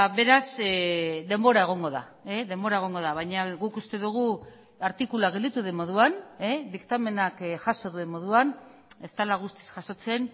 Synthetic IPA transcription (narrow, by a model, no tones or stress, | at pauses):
βe̞ɾas | d̪e̞mbo̞ɾae̞ɣ̞o̞ŋɡo̞ða̰ | eðe̞mbo̞ɾae̞ɣ̞o̞ŋɡo̞ð̞aβ̞ajɲaɣukust̪e̞ðuɣ̞u | aɾt̪ikulaɣ̞e̞ld̪it̪uðemːo̞ð̞uaned̪ikt̪ame̞nakʝaʃo̞ðue̞mːo̞ðuane̞st̪alaɣ̞ust̪i̥sʝaso̞t͡se̞n